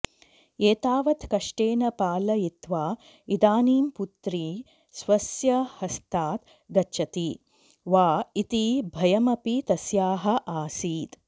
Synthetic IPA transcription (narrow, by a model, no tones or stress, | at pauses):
eːt̪aːʋɐt̪kɐʂʈeːnɐpaːlɐjit̪ʋaː | id̪aːniːmput̪ɾiː | sʋɐsjɐhɐst̪aːt̪ | ɡɐʃɐt̪i | ʋaːit̪ibʱɐjɐmɐpit̪ɐsjaːɦɐʔaːsiːt̪